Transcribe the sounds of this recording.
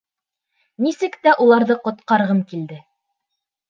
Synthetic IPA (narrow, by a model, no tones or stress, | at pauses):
nisɘkt̪æʔulˠɑɾðɤqŏt̪qɑɾʁɤmkild̪ɘ